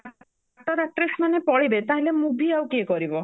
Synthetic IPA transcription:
ʈɔɾak̚ʈɾesmanepɔɭibet̪aɦelemubʱiawkiekɔɾibɔ

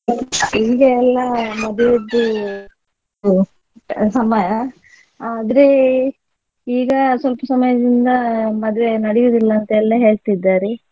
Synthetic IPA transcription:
iːɡɐɛlːɐmɐd̪ijod̪ːu | sɐmɐjɐ | aːd̪ɐɾe | iːɡɐsʋɐlpɐsɐmɐjɐd̪ind̪ɐmɐd̪ʋenɐɽijoːd̪ilːɐːnt̪ɐɛlːɐɦe̞ːɭt̪id̪ːaːɾe

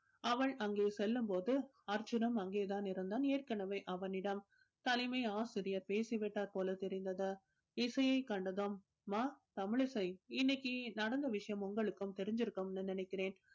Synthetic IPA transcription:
ɐʋɐɭɐŋɡeːsɛlːɯmpoːðɯ | ɐɾd͡ʒɯnɐmɐŋɡeːðaːnɪɾɐnd̪aːneːrkɐnɐʋɐɪʔɐʋɐnɪɽɐm | t̪ɐlɪmɐɪaːsɪɾɪjɐɾpeːsɪʋɪʈːaːɾpoːlɐt̪ɛɾɪnd̪ɐðɐ | ɪsɐjɐɪkɐɳɖɐðomː | aːt̪ɐmɪɭɪsɐɪɪnːɪkːinɐɽɐnd̪ɐʋɪʂɐjɐmʊŋɡɐɭɯkːɯmt̪ɛɾɪɲd͡ʒɪɾɯkːɯmnːɯnɪnɐɪkːɪreːn

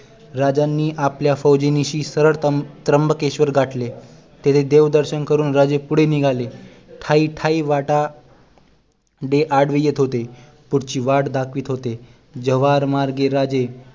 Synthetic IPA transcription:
ɾad͡ʑanːiːʔapljafəwd͡ʑeniɕiːsəɾəɭt̪t̪ɾəmbəkeɕʋəɾɡʱaʈle | t̪et̪ʰed̪eʋd̪əɾɕənkəɾuːnɾad͡ʑepuɽ̤eniɡʱale | ʈʰaiʈʰaiʋaʈa | ɖeʔaɽʋijet̪ɦot̪e | puɽt͡ɕiːʋaɽd̪akʰʋiːt̪ɦot̪e | d͡ʑəʋaɾmaɾɡeɾad͡ʑe

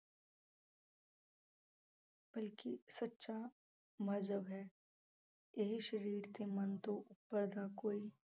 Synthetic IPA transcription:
b̥ɐlkisɐtːʃa | mɐd͡ʒʱəbɦɛː | jeɦiʃɐɾiːɾt̪emɐnt̪oʔʊpːəɾd̪akoːi

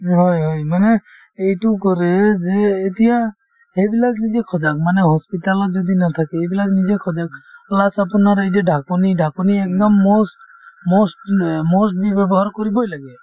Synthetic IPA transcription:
ɦɔjɦɔjmane | ejʈukɔɾed͡ʒeːt̪ija | hebilad͡ʒnid͡ʒekʰɔd͡ʒak̚maneɦɔspiʈalɔd͡ʒɔd̪inat̪ʰakeebilad͡ʒnid͡ʒekʰɔd͡ʒaklasapɔnaɾejʈeɖʱakoniɖʱakɔniek̚d̪ɔmːos | mɔsʈmɔsʈ̚bibɛbɔɦaɾkɔɾibɔjlaɡe

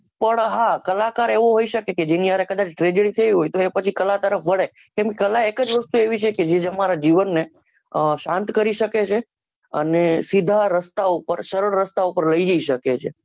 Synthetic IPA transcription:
pəɳɦakəlakaɾeʋoɦoiʃəkeked͡ʒeniəɾekəd̪at͡ʃʈɾed͡ʒəɾit̪ʰəʋiɦojt̪oepət͡ʃʰikəlat̪əɾəfʋəɽe | kɛ̃mkekəlaekəd͡ʒʋəst̪ueʋit͡ʃʰeked͡ʒed͡ʒəmaɾad͡ʒiʋənːe | əʃãnt̪kəɾiʃəket͡ʃʰe | ə̰nesid̪ʱaɾəst̪aupəɾʃəɾəɽːəst̪aupəɾləid͡ʒəiʃəket͡ʃʰe

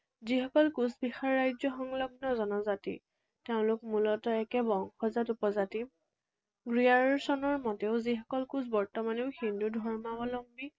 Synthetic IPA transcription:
zixɔkɔlkusbixaɹːajzɔxɔŋlɔbʱnɔzɔnɔzatḭ | teʊ̃lʊkmulɔtɔɛkɛbɔŋxɔzatupɔzatim | ɡɹiaɹɔsɔnɔɹmɔtɛʊzixɔ̥kɔlkuzbɔɹtɔmaneʊhindudʱɔɹmabɔlɔmbi

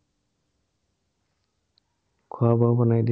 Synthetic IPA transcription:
kʰʊabaʊbɔnajdi

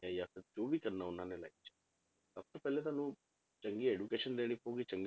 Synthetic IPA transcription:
ajafɪɾd͡ʒoːbʱikɐɾnaʊnɦãːnela̰ːikt͡ʃʰe̥ | səb̚t̪opɛːlet̪aːnũ | t͡ʃəŋɡieːɖukeːʃənleːɽ̃ipoːɡit͡ʃɐŋɡ

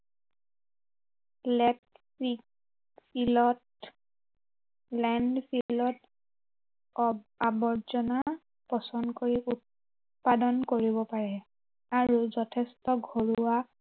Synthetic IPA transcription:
lɛt | ɹik | pilɔt | lɛndpʰilɔt | abɔɹzɔna | pɔsɔndkoɹiut̚ | padɔnkoɹibɔpaɹɛ | aɹuzɔtʰɛstɔɡʱoɹuwa

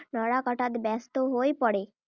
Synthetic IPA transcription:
nɔɽakɔʈat̪bɛst̪oɦojpɔɽe

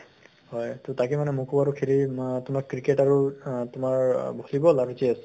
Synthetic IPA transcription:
hɔjtʊtakimanɛmukubaɹukʰilitʊmaɹkɹiketaɹutʊmaɹbʱolibɔlaɹuzias

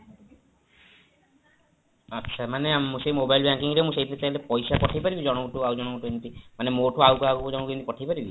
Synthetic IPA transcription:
ətːʃʰamaneamːũsejmobajlbjaŋkiŋɾemũseit̪ʰt͡ʃailepɔjsapɔʈʰajpaɾibid͡ʒɔɽ̃ɔɡuʈuawd͡ʒɔɽ̃ɔɡuʈuent̪imanemoʈoawkawkd͡ʒɔɽɔkint̪ipɔʈʰajpaɾibi

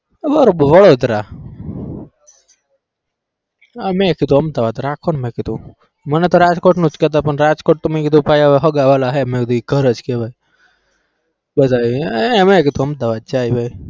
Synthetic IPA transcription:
ʋəɾobʋəɽod̪ɾa | amẽkid̪ũəmd̪aʋad̪ɾakʰonmẽkit̪ũ | mənet̪oɾad͡ʒkoʈnũt͡ʃkɛt̪̬apəɳɾad͡ʒkoʈ̚t̪umekid̪ũpajaɦəɡaʋalaɦemẽkd̪uɡʱəɾəd͡ʒkebʱaj | bəd̪aienemẽkid̪ũəmd̪aʋad̪̚d͡ʒajbʱaj

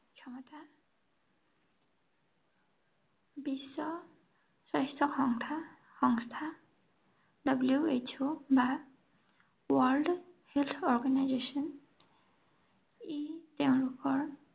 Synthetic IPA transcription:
kʰjɔmɔta | bisːɔ | sajstʰɔxɔŋʰ | xɔŋst̪ʰa | dʌbljuet͡ʃoba | wɔlɖhelt̪ʰɔɹɡanajzesɔn | iteʊ̃ɹupɔɹ

